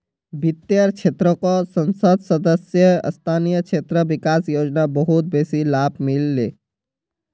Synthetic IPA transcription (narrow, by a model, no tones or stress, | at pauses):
bit̪jəɾt͡ʃʰet̪ɾəkɔsənsəd̪ʱsəd̪əsjə̰st̪ʰanijət͡ʃʰet̪ɾəbikasjod͡ʒnabəɦut̪̚besilabmilːe